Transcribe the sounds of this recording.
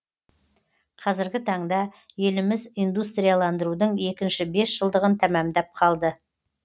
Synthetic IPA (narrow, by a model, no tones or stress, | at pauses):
qʰɑzɪɾɡʲɪt̪ʰɑɴd̪ɑje̞lɪmɪzijnd̪ust̪ɾʲijalˠɑnd̪əɾud̪əɴe̞kʲɪnʃɪbe̞sʒ̥əlˠd̪əʁənt̪ʰæmæmd̪æp̚qʰɑlˠd̪ə